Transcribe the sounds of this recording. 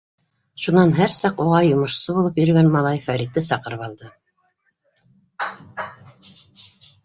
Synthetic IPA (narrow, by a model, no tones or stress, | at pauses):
ʃunɑnɦæɾsɑquʁɑjŏmɤ̆ʃsɤbulˠɤpjɵ̆ɾɡænmɑlˠɑjfæɾʲit̪ːɘsɑqɤ̆ɾɤpɑlˠd̪ɤ